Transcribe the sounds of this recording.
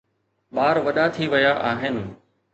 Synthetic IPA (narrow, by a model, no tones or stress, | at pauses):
ɓaːɾʋɐɗat̪ʰiʋɐjaʔaːɦɪnɪ̆